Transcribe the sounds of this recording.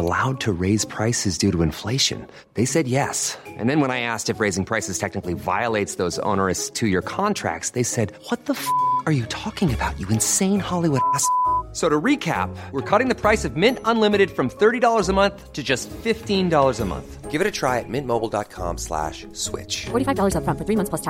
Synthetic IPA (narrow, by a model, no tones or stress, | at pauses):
əla̰ʊd̚tʰɨɹeɪz̥pʰɹ̥aɪsɨzdʉɾəɨ̃ɱfleɪʃɨ̰̃n | ðeɪsɛd̚jɛsʔɨ̰̃nðɨ̃nwə̃ñaɪæstɨfɹeɪzɪ̃ŋpʰɹ̥aɪsɨz̥tʰɛk̚nɨkliva̰ɪəleɪtsðoʊzõ̰ʊ̃nə˞ɨstʰɨjə˞kʰɑ̃ntʰɹ̥æ̰k̚tsðeɪsɛd̚wʌt̪̚ðəfʌə˞jɨtʰɔkɪ̃ŋɨbaʊt͡ʃɨɨ̃nsẽɪ̃nhɑlˠiwʊɾæssoʊɾəɹikʰæ̰p̚wəɹkʰɔɾɪ̃ŋðɨpʰɹ̥aɪsʌvmɪ̃ntə̃nlɪ̃mɨɾɨd̥fɹʌ̃mθɜ˞ɾidɔlˠə˞zəmʌ̃nθtʰɨd͡ʒʌstfɪftĩndɔlˠə˞zəmʌ̰̃nθɡ̥ɪvɨɾɨtʰɹ̥aɪɨt̚mɪ̃nmoʊbl̩ˠdɑ̰t̚kʰɑ̰̃mslæ̰ʃ | swɪ̰t͡ʃfɔɹɾifaɪvdɔlˠə˞zʌfɹʌ̃nfə˞θɹimʌ̃nθpʰostʰ